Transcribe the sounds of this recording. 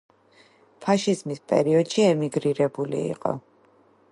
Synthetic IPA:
pʰaʃizmispʼɛ̰ɾiɔd̪̥ʃiɛmiɡɾiɾɛbulḭːqʼɔ̰

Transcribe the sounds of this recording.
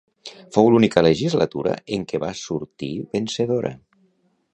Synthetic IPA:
fowlunikələʒizlət̪uɾə̰eŋkeβasuɾt̪iβenseðoɾʔə̰

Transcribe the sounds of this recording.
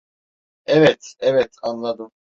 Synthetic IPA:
ɛvɛt̪ɛvɛt̪ʰanlˠad̪ɯm

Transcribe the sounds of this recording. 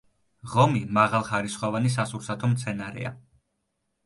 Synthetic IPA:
ʁɔmimaʁalˠχaɾisχwavanis̬asuɾsat̪ʰɔmt̪sʰɛnaɾɛ̰a̰

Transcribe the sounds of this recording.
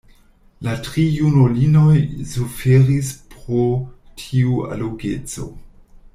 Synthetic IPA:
latɾijunolino̞jzufeɾispɾotʰiua̰loɡe̞t͡so̞̰

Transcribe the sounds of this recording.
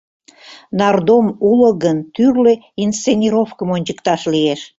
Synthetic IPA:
nɑrd̪omuləɣənt̪yrle | inst͡senʲiɾofkəmonʲt͡ɕəkt̪ɑʃlieʃ

